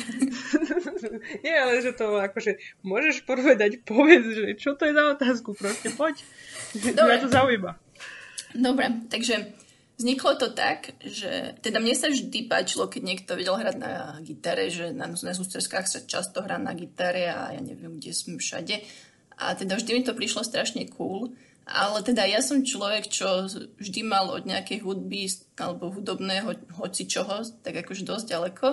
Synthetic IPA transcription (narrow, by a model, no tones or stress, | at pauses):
ɲɛalɛʒɛt̪ɔakɔʒɛmʊɔʒɛʃpɔr̩ɾʋɛd̪acpɔʋɛd͡zʒɛt͡ʃɔt̪ɔjɛzaɔt̪aːskupɾɔscɛpɔc̪ | ɔmat̪ɔzaujima | d̪ɔbɾɛt̪aɡʒɛ | vzɲiklɔt̪ɔt̪a̰kʒɛ̰t̪ɛd̪amɲɛsavʒd̪ipa̰ːt͡ʃilɔkɛɟɲɛkt̪ɔʋɛɟɛlɦɾad̪na̰ɡit̪aɾɛ̰ʒɛnanznazust̪ɛskaːxsat͡ʃa̰st̪ɔɦɾaːna̰ɡit̪aɾɛa̰ja̰ːɲɛ̰ʋɪɛmɡɟɛsmɛfʃa̰ɟɛ | ʔa̰t̪ɛd̪avʒd̪imit̪ɔpɾiʃlɔst̪ɾaʃɲɛkʰuːl | ʔa̰lɛt̪ɛd̪ajasɔmt͡ʃlɔʋɛkt͡ʃɔvʒd̪imalɔ̰d̪ɲɛakɛjɦud̪̚bi | alɛbɔɦud̪ɔbnɛːɦɔɦɔt͡sit͡ʃɔɦɔt̪aɡakɔʒɛd̪ɔzɟalɛkʰɔ